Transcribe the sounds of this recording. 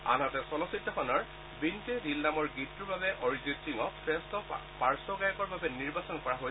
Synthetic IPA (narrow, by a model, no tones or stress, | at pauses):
a̰nɦɔtɛsɔlɔsitːɔxʰɔnɔɹ | bintedilnamɔɹɡitːuɹbabɛʔɔɹizintiŋɔpʰɹɛstɔpaɹsɔɡajɔkɔɹbabɛniɹbasɔnkɔɹaɦoj